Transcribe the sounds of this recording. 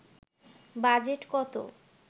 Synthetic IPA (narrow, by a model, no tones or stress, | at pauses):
bad͡ʑeʈkɔt̪o̰